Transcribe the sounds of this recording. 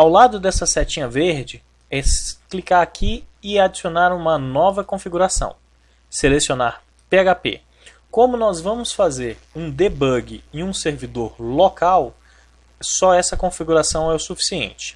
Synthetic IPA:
awlad̪ʊd̪ɛsɐsɛt͡ʃĩɲɐveɾd͡ʒɪ | ɛsklikaɾakʰiɪad͡ʒisionaɾũmɐnɔvɐkõfiɡuɾasɐ̰̃w̃ | selesiona̰ɾ | peaɡapḛ | kõmʊnɔzvɐ̃mʊsfazeɾ | ũd̪ebɐɡɪiũseɾvid̪oɾlokaw | sɔɛsɐkõfiɡuɾasɐ̃w̃ɛʊsufi̥siḛ̃nt͡ʃɪ̥

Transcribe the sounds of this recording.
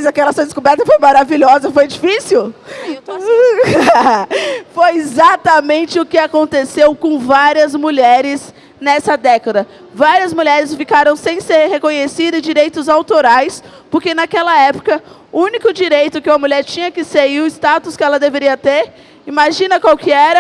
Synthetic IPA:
jzakɛlɐsuɐd̪ɪskubɛɾt̪ɐfojmaɾaviʎɔzɐfojd͡ʒifisiw | fojezat̪ɐmẽnt͡ʃɪʊkɪakõnt̪esewkõvaɾiɐzmuʎɛɾɪs | nɛsɐd̪ɛkɐd̪ɐ | vaɾiɐzmuʎɛɾɪsfikaɾɐ̃w̃sẽj̃seɾhekõɲesid̪ɐ̃d͡ʒiɾejt̪ʊzawt̪oɾajs | poɾkenakɛlɐɛpʊ̥kɐ | ʊũnikʊd͡ʒiɾejt̪ʊkɪumɐmuʎɛɾt͡ʃĩɲɐkɪseiɾʊɪst̪at̪ʊskɪɛlɐd̪eveɾiɐt̪eɾ | imaʒĩnɐkwawkɪɛɾɐ

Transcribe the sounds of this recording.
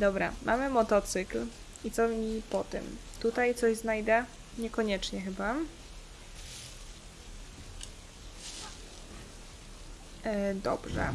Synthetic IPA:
d̪ɔbɾa̰mʔa̰mɘmɔt̪ɔt̪sɘkl | it̪sɔmʲipɔt̪ɘ̰mt̪ut̪ajt̪sɔʑznajd̪ɛ | ɲɛkɔɲɛt͡ʂɲɛxɘba | d̪ɔ̰bʐɛ̰

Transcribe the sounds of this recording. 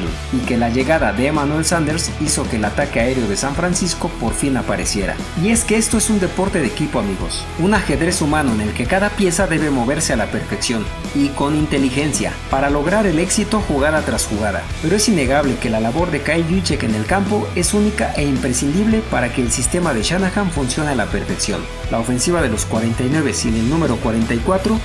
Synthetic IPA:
lḛ | ike̞laʝe̞ɣaðaðeːmanwe̞lsand̪e̞ɾsiso̞keːlat̪akeae̞ɾeo̞ðe̞saɱfɾansisko̞po̞ɾfinapaɾe̞sje̞ɾa̰ | ie̞ske̞e̞st̪o̞e̞sund̪e̞po̞ɾt̪e̞ðeekipo̞amiɣo̞s | unaxe̞ðɾe̞sumãno̞ene̞lke̞kaðapje̞saðe̞βe̞mo̞βe̞ɾse̞alape̞ɾfeksjo̞n | iko̞nint̪e̞lixe̞nsja̰paɾalo̞ɣ̞ɾaɾe̞le̞ksit̪o̞xuɣaðat̪ɾasxuɣaða̰pe̞ɾoe̞sinːe̞ɣaβ̞le̞ke̞lalaβo̞ɾðekajʝut͡ʃekene̞lkampo̞e̞sunikaʔe̞impɾesind̪iβle̞paɾake̞ːlsist̪e̞maðe̞ʃanaxaɱfunsjo̞nealape̞ɾfe̞ksjo̞̰n | lʔaofe̞nsiβað̞e̞lo̞skwaɾe̞nt̪ajnwe̞βe̞sine̞lnũme̞ɾo̞kwaɾent̪ajkwat̪ɾo̞

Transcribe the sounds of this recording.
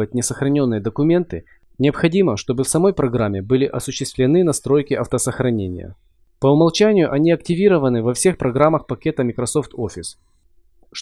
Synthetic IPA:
ət̚ʲnʲɪsəxɾɐnʲo̞nːɨjəd̪əkʊmʲe̞nt̪ɨ | nʲɪəpxɐdʲiməʂt̪o̞bɨfsɐmo̞jpɾɐɡɾamʲːɪbɨlʲɪʔɐsʊɕːɪst̪vʲlʲɪnɨnɐst̪ɾo̞jkʲɪɐft̪əsəxɾɐnʲenʲɪ̰jə̰ | pəʊmɐlˠt͡ɕænʲɪjʊʔɐnʲiɐktʲɪvʲiɾəvənɨvɐfsʲe̞xpɾɐɡɾamːəxpɐkʲe̞t̪əmʲɪkɾɐso̞ft̪ofʲɪs | ʂ

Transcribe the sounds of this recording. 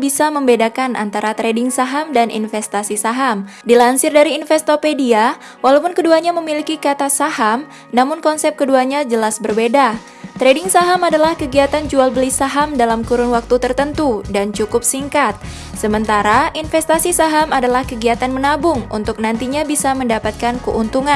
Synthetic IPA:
bisaməmbedakanʔa̰nt̪aɾat̪ɾedɪŋsaɦamdanḭnfɛst̪asisaɦam | dilansɪrdaɾiːnfɛst̪opedia | walawpʊnkəduaɲaməmilikikat̪asaɦam | namʊnkɔnsɛp̚kəduaɲad͡ʒəlasbərbeda | t̪ɾedɪŋsaɦamadalahkəɡiat̪and͡ʒualbəlisaɦamdalamkuɾʊnwak̚t̪ut̪ərt̪ənt̪udant͡ʃukʊp̚siŋkat̪̚ | səmənt̪aɾaʔinfɛst̪asisaɦamadalahkəɡiat̪anmənabʊŋṵnt̪ʊk̚nant̪iɲabisaməndapat̪̚kankəʔunt̪uŋan

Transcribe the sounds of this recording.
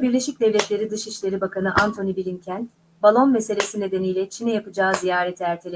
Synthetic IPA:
biɾlʲe̞ʃic̚d̪ɛvlʲɛt̪lʲe̞ɾid̪ɯʃiʃlʲe̞ɾibakʰanɯʔant̪ʰo̞nibilʲincʰæn | balˠo̞nmese̞lʲesine̞d̪e̞nijlʲɛt͡ʃʰinɛjapɯd͡ʒaːzijaːɾɛt̪ʰæɾt̪ʰilʲ

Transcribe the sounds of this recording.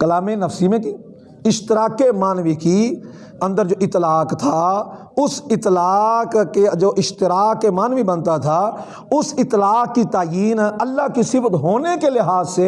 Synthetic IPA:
kəlaːmẽnəfsimẽki | ɪʃt̪ɪɾaːkːemaːnʋiki | ɐə̃nd̪əɾd͡ʒoːʔɪt̪laːkt̪ʰa | ʊsɪt̪laːkːed͡ʒoːʔɪʃt̪ɪɾaːkːemaːnʋibə̃nt̪at̪ʰa | ʊsɪt̪laːkːit̪aːjiːnɐlːaɦkisɪbət̪ɦoːnekelɪɦaːzse

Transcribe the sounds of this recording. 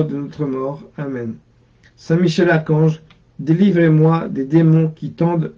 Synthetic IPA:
ʁd̪ənɔt̪χəmɔʁamɛn | sɛ̃miʃɛlakɑ̃ʒ | d̪elivʁemwad̪ed̪emɔ̃kʲit̪ɑ̃d̪

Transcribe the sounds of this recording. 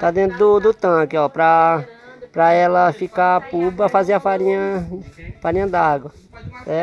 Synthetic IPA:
t̪ad̪ẽnt̪ɾʊd̪ʊd̪ʊt̪ɐ̃kɪɔpɾɐ | pɾɐɛlɐfikaapubɐfaziɐfaɾĩɲɐ | faɾĩɲɐd̪aɡwɐ | ɛ

